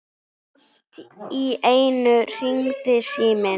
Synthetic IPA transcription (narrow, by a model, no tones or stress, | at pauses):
lt̪iejnʏr̥iŋt̪ɪsiːmɪ